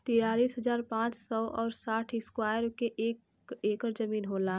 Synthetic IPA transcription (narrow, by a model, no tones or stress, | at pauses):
t̪iɾaːɾiːsɦəd͡ʒaːɾpãːt͡ʃsɔʔɔːɾsaːʈʰɪskwaːjəɾkeʔeːk | eːkəɾd͡ʒəmiːnɦoːlaː